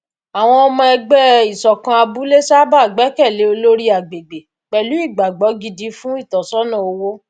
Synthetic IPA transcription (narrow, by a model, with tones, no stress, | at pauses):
a˨w̃ɔ̃˧ɔ˧mã˧ɛ˧ɡ͡bɛ˦i˨sɔ˨kã˧a˧bu˨˦le˦sa˦ba˦˨ɡ͡bɛ˨˦kɛ˦˨le˨˦o˧lo˦ɾi˦a˨ɡ͡be˨ɡ͡be˨ | k͡pɛ˨lu˨˦i˦˨ɡ͡ba˨ɡ͡bɔ˨˦ɡi˧di˧˦fũ˦i˦˨tɔ˨sɔ˦nã˦˨o˨˧wo˦